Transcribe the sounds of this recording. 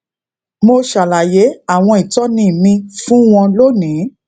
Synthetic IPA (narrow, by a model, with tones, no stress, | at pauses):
mo˧ʃa˨la˨je˨˦a˦˨w̃ɔ̃˧i˨tɔ˨˦nĩ˦˨mĩ˧fũ˦w̃ɔ̃˧lo˦˨nĩ˨˦